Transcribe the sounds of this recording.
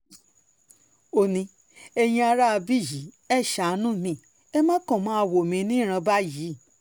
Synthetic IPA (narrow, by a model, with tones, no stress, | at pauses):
o˧nĩ˧ | e˧j̃ĩ˧a˧ɾa˦a˧bi˦˨ji˨˦ | ɛ˦˨ʃa˨˧nũ˦˨mĩ˧˦˨ | ɛ˦mã˦kɔ̃˦˨mã˨˦a˧wo˨mĩ˧˦nĩ˦˨ɾ̃ã˧ba˦ji˨˦˨